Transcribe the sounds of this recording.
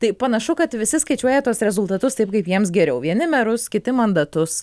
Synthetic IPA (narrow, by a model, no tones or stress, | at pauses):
t̪ɐɪpɐnɐʃʊkɐt̪ʋʲɪsʲɪskɐɪt͡ʃʲuɔjɛt̪uɔsɾʲɛzʊlˠt̪ɐt̪ʊst̪ɐɪpkɐɪpjiɛms̬ɡʲɛɾʲɛʊʋʲiɛnʲɪmʲɛɾʊskʲɪt̪ʲɪmɐnd̪ɐt̪ʊs